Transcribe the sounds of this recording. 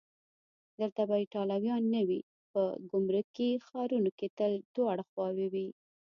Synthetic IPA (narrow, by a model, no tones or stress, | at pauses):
d̪əlt̪abajiʈɑlawjɑnːəwi | pəɡʊmɾukːixɑɾunoket̪əld̪̥oaɽəxwɑwewi